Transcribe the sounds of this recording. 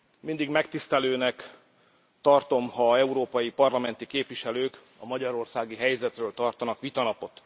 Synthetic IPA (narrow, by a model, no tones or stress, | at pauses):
mind̪iɡmɛkt̪ist̪ɛløːnɛk | t̪ɒrt̪o̞mhɒɛuɾoːpɒjipɒrlɒmɛnt̪ikeːpʋiʃɛløːk | ɒmɒɟɒɾo̞rsaːɡiɦɛjzɛt̪røːlt̪ɒrt̪ɒnɒkʋit̪ɒnɒpo̞t̪